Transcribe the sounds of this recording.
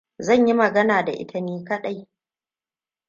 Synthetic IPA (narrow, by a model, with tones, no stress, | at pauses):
zɐ˦˨ɲji˦mɐ˨ɡɐ˦naː˨da˨ʔɪ̰˦tʰɐ˨niː˦kɐ˦ɗa˦j